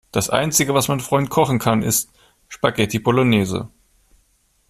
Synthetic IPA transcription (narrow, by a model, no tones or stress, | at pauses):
d̥asʔa̰ɪnt͡sɪɡəvasmanfʁ̥ɔʏnt̚kʰɔχn̩kʰanɪ̰st | ʃpaɡɛtʰibolonɛːzə̰